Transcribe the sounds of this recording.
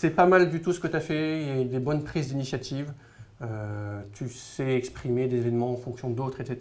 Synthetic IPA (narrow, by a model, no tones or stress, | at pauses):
sɛpamald̪yt̪usə̥kət̪yafɛiljayd̪ebɔnpχizd̪inisjat̪ʰiv | øt̪ʰysɛɛkspχimed̪ezevɛnmɑ̃ɑ̃fɔ̃ksjɔ̃d̪ot̪χɛt̪set̪